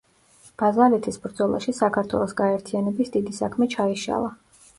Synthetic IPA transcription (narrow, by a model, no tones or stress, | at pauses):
b̥azalit̪ʰisbɾd̪zɔlˠa̰ʃisakʰaɾt̪ʰwɛ̰lˠɔsɡaɛɾt̪ʰianɛbisd̪id̪isakʰmɛt͡ʃʰaiʃa̰lˠa